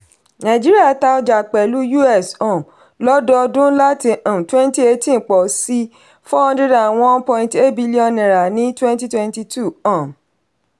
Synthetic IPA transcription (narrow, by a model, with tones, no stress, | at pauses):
nã˨d͡ʒi˦ɾi˦a˦˨ta˧ɔ˧˦d͡ʒa˨k͡pɛ˨lu˨˦ju˦ɛ˦˨sɔ̃˨ | lɔ˦dɔ˧dũ˦la˦ti˨ʔɔ̃˨twɛ̃˦n˦ti˦e˧tĩ˦˨k͡pɔ˨si˦ | fɔ˦ɔ̃˧nde˦da˨w̃ɔ̃˦npɔ̃˧ĩ˧nte˦t̚bi˦li˦ɔ̃˦˨nɛ̃˨ɾa˨nĩ˦twɛ̃˦n˦ti˦twɛ̃˧nti˧tu˦˨ɔ̃˦˨